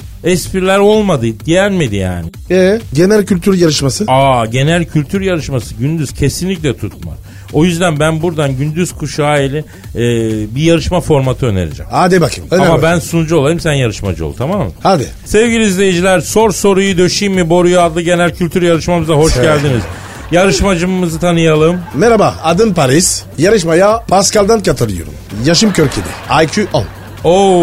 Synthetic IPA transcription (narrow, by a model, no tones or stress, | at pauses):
ɛspʰiɾlʲæɾo̞lˠmad̪ɯd̪ijæɾʲmed̪ija̰ːnɪ | ɛɟe̞nælʲcʰylʲt̪ʰyɾjaɾɯʃmasɯaɟe̞nælʲcʰylʲt̪ʰyɾjaɾɯʃmasɯɟynd̪yz̥cʰe̞sinlʲic̬ʲlʲɛt̪ʰut̪̚ma̰ɾ | o̞jyzd̪ænbænbuɾd̪anɟynd̪yz̥kʰuʃaːelʲiː | bijaɾɯʃmafo̞ɾmat̪ʰɯø̞nḛɾḭd͡ʒɛ̰mad̪ibakʰɯ̰mamabænsunud͡ʒuo̞lˠajɯmsænjaɾɯʃmad͡ʒo̰t̪ʰamaːmɯ̰mhad̪ɪ | sɛvɡɟilʲiizlʲejed͡ʒilʲæɾso̞ɾso̞ɾujud̪øʃijmmibo̞ɾujuad̪lˠɯɟe̞nælʲcʰylʲt̪ʰyɾjaɾɯʃmamɯzaɦo̞ʃɟælʲd̪iniz | jaɾɯʃmad͡ʒɯmɯzɯt̪ʰanɯjalˠɯmmɛɾabaːd̪ɯnpʰaɾisjaɾɯʃmajapʰascalʲd̪ankat̪ʰɯlˠɯjo̰ɾṵmjaʃɯmcʰøɾcʰed̪ɛ̰ajcʰyʔon | o